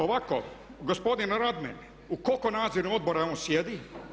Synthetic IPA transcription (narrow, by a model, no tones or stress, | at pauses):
oʋako̰ | ɡospo̞d̪inɾad̪mɛ̰n | ukokonaːd̪ziɾnuod̪̚boɾaonsjed̪i